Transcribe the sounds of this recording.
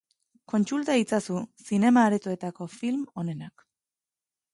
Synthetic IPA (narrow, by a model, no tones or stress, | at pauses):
ko̞nt͡sult̪ait͡sasusine̞maːɾet̪oe̞t̪ako̞filmo̞ne̞nak